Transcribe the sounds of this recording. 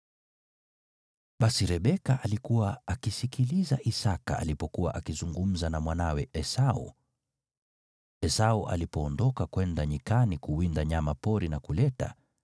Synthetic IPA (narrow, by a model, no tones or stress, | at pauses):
ɓasiɾɛɓɛkaʔalikuwaakisikilizaʔisakaa̰lipɔkuwa̰ʔakizuŋɡum̩zanamwanawɛʔɛsaṵ | ɛsauʔa̰lipɔːndɔkakwɛndaɲikanikuwindaɲamapɔɾinakulɛta̰